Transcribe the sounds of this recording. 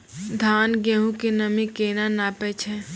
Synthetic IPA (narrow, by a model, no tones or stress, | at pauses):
d̪ʱaːnɡẽːɦũkenɐmikeːnanaːpet͡ʃʰɛ